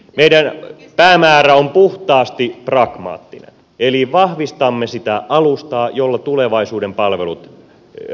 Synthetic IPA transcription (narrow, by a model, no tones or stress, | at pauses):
meidæn | pæːmæːræompuht̪ɑːst̪iprɑkmɑ̰ːt̪ːinḛn | eliʋɑhʋist̪ɑmːesit̪æʔɑlust̪ɑːjolːɑt̪uleʋɑisuːdempɑlʋelut̪